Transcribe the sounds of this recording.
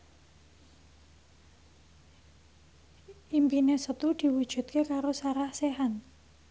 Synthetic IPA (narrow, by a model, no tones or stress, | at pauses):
ʔimpinesət̪ud̪̥i̤wud̥ʒ̥ṳt̪̚kekaɾosaɾahseɦan